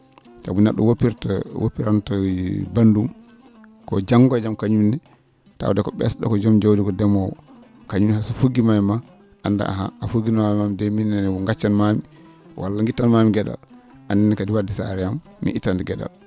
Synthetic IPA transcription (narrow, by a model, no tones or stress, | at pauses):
ta̰buna̰ɗɔ̰wopiɾtwo̰pːiɾantɔbandum | kɔ̰d͡ʒaŋɡɔd͡ʒamkaɲumnɛ | ta̰wdɛkɔɓɛ̰sɗɔ̰kɔd͡ʒɔmd͡ʒowdiɡɔdɛmɔwɔ̰ | kaɲumihasufuɡimajma | ʔanda̰a̰ɦa̰ʔafuɡinawmamdɛminːɛnɛɔŋɡat͡ʃːanmami | wa̰lːaŋɡitːanmamiɡɛda̰l | ʔanːinɛkadiwadisaɾɛjamːḭʔitːandɛɡɛɗa̰l